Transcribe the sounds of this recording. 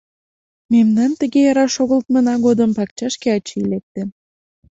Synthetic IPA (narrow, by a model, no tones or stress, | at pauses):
memnɑnt̪ə̆ɣejɑɾɑʃoɣəlt̪mənɑɣod̪əmpɑk̚t͡ɕɑʃkeɑt͡ɕiilek̚t̪em